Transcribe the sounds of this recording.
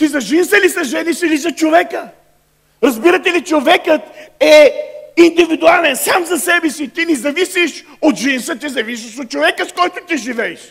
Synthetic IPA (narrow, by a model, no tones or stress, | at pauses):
t̪izɐʒinsəlisɐʒɛnisilizɐt͡ʃovɛkə | ɾɐzbiɾɐt̪ɛlit͡ʃovɛkət̪ɛind̪ivid̪ʊalɛnsamzɐsɛbɛsit̪inizɐvisiʃ | ot̪ʒinsət̪izɐvis̬iʃot̪̚t͡ʃovɛkəskɔjt̪ot̪iʒivɛɛʃ